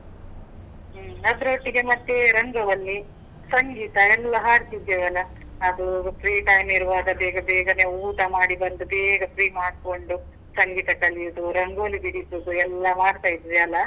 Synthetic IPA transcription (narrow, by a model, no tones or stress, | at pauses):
nɐt̪ɾoːʈːiɡe̞mɐt̪ːeɾɐŋɡɐʋɐlːi | sɐŋɡiːt̪ɐɛlːɐɦaːɾt̪id͡ʒ̪eʋɐlɐː | d̪upʰɾiːʈɐjmiɾuʋaːd̪ɐbɛːɡɐbɛːɡɐneːuːʈɐmaːɽibɐnd̪ubɛːɡɐpɾiːmaːɽ̚ko̞ɳɖu | sɐŋɡiːt̪ɐkɐliud̪uɾɐŋɡɐɐlːibiɽid̪ud̪uɛlːɐmaːɽt̪aːjid̪iɾiɐlːɐ